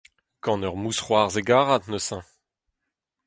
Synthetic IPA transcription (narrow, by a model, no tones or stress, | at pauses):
kɑ̃nœʁmusχwaʁzeɡaːʁat̪nosɛ̃